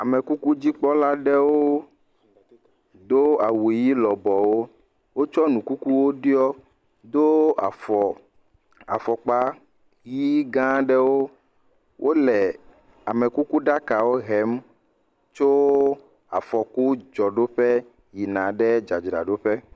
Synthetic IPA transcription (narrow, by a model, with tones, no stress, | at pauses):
a˨mɛ˨ku˦ku˦d͡ʑi˦k͡pɔ˦la˦ɖɛ˦wo˦ | d̪o˦a˨wu˨e˨ji˦lɔ˨bɔ˨wo˦ | wo˦t͡ʃɔ˦nũ˨ku˦ku˦wo˦ɖi˦ɔ˦ | d̪o˦a̰˨fɔ˨ | a̰˨fɔ˨k͡pa˦ | ji˦ɡã˦ɖɛ˦wo˦ | wʔo˦lɛ˨ | a˨mɛ˨ku˦ku˦ɖa˦ka˨wo˦ɦɛ˨˦m | t͡ʃo˦ | a̰˨fɔ˨ku˦d͡ʒɔ˨ɖo˦ɸɛ˦ | ji˨nã˨ɖɛ˦d͡ʒa˨d͡ʒɖa̰˨ɖo˦ɸɛ˦